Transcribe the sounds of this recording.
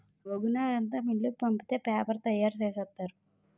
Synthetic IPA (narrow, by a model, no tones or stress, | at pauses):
ɡoɡunaːɾɐnt̪aːmilːukupɐmpit̪e̞ːpaːpɐɾt̪ɐjːaːɾt͡ʃeːsɐt̪ːaːɾu